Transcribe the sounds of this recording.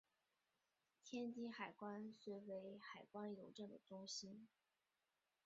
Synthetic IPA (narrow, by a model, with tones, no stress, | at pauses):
t̪ʰjɛ˥nt͡ɕi˥xa˨˩ɪkwa˥nswe˧˥ɪwe˧˥ɪxa˨˩ɪkwa˥njo˧˥ʊʈ͡ʂɤ˥˩d̪ə˩ʈ͡ʂʊ˥ŋɕi˥n